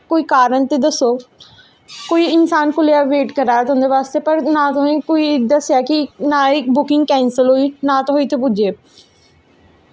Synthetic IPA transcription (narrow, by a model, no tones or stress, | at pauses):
koːiːkaːɾənt̪eːd̪əsoː | koːiːɪnsaːnkʊljaːʋeːʈkəɾaːɛt̪õːnd̪eːʋaːst̪eːpəɾnãːt̪ʊɦĩːkoːid̪əsjaːkɪnaːɪk̚bʊkɪ̃ŋɡkɛ̃ːnsəlɦoːiːnãːt̪oɦoːiːt̪ʰepʊd͡ʒeː